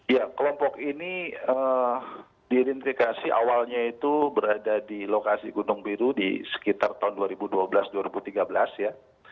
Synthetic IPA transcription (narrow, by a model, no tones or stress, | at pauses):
jakəlɔmpɔkiniə | diːɾɛnt̪ifikasiʔa̰walɲait̪ubəɾadadilokasiɡunʊŋpiɾudḭsə̥kit̪art̪aunduaɾibuduabəlasduaɾibut̪iɡabəlasja